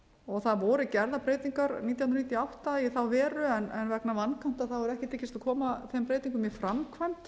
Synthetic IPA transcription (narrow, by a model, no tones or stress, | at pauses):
ɔɣθaðvɔːɾɪcɛɾðapɾeːjt̪iŋkaɾniːt̪jawnɾnit̪jaawht̪aiθawvɛːɾʏɛnɛ̰nvɛknavankʰan̥t̪aðθawvɛɾʏɛhcɪt̪ʰeːcːɪst̪akʰɔːmaθejmpɾeːjt̪iŋkʏmjɛfɾamkʰvajm̥t̪